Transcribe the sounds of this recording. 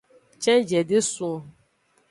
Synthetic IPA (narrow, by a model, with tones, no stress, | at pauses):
t͡ʃɛ̃˦d͡ʒɛ˨dɪ˦sʊ˦ɔ˨